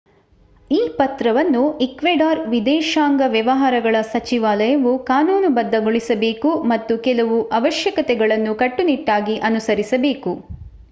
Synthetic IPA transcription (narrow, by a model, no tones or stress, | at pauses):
iːpɐt̪ɾɐʋɐnːuikʋeɖaːɾʋid̪ɛːʃaːŋɡɐʋjɐʋɐɦaːɾɐɡɐɭɐsɐt͡ʃiʋaːlɐjɐʋukaːnuːnubɐd̪ʱːɐɡoɭisɐbe̞ːkumɐt̪ːukɛlɐʋuʔɐʋɐʃjɐkɐt̪ɛɡɐɭɐnːukɐʈːuniʈːaːɡiʔɐnusɐɾisɐbeːku